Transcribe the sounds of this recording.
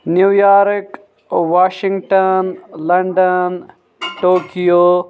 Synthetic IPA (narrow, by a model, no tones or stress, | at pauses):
njujaːɾk | ʋaːʃĩŋɡʈɐnlɐɳɖɐn | ʈoːkijo